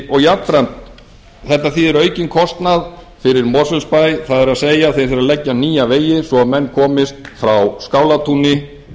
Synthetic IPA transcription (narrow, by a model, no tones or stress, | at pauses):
ɔɣjat̪ɾant̪ | θɛht̪aθiðɛɾœːɥcɪnkʰɔst̪nað | fɪɾɪɾmɔɾsʏnspajθaðɛɾaðseːjaθej̥fɪɾaðlɛcːaniːjaveːjɪsɔamɛnːkʰɔːmɪst̪fɾawskaːwlat̪ʰunɪ